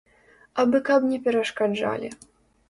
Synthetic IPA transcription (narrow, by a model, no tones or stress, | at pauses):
abɨkabnʲɛpʲɛɾɐʂkad͡ʐa̰lʲḭ